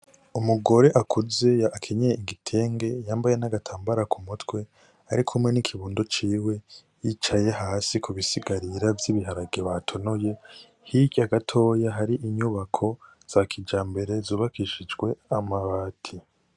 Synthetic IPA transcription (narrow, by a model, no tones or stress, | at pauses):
umuɡo̞ɾe̞ʔakʰuze̞aakʰe̞ɲejeiɡitʰe̞ːŋɡe̞jaːmbaje̞naɡatʰaːmbaɾakʰumutwe̞ | aɾikʰumŋe̞nikʰiβuːndot͡ʃiːwe̞ | jit͡ʃaje̞ɦaːsikuβisiɡaɾiɾavjiβiɦaɾaɡeβatʰo̞noje̞ | hiɟaɡatʰo̞ːjaɦaɾiʔiɲuβakʰo̞ | z̥akʰid͡ʒaːmbe̞ɾe̞zuːβakiʃid͡ʒɡwe̞amaβaːtʰi